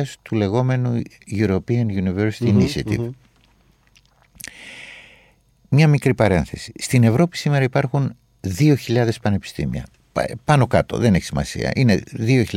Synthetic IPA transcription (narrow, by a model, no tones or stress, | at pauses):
ɐst̪ule̞ɣo̞me̞nu | ʝuɾo̞piɐnʝuniveɾsi̥t̪iːnisiɐt̪ḭv | mɲɐmikɾipɐɾe̞nθe̞si̥st̪ine̞vɾo̞pi̥sime̞ɾɐipɐɾxun | ðio̞çiʎɐðe̞spɐne̞pi̥st̪ḭmḭɐ̰ | pɐno̞kɐt̪o̞̰ðeneçisimɐ̰sḭɐ̰ʔine̞ðio̞çi